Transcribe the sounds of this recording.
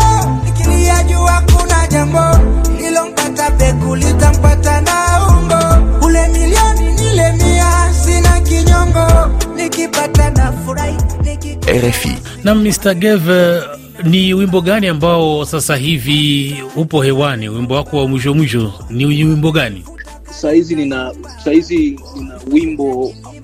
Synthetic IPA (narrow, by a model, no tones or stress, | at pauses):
nikiliaʄuakunaʄambɔlilɔm̩katapɛkulitam̩patanauŋɡɔkulɛmiliɔninilɛmiasinakiɲɔŋɡɔnikipatanafuɾainiɛ̰ɾɛfḭ | nam̩mːistaɡɛvɛ | niwimbɔɠaniambaɔsasaɦiviupɔhɛwaniwimbɔwakɔwamwiʃɔmwiʃɔniwimbɔɡani | sahizinina | sahizininawimbɔ